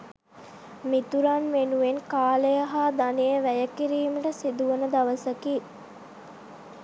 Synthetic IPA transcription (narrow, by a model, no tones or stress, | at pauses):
mit̪uɾanʋenuʋenkaːlejɐɦaːd̪anejəʋæjəkiɾiːməʈəsid̪uʋənəd̪aʋəsəkiː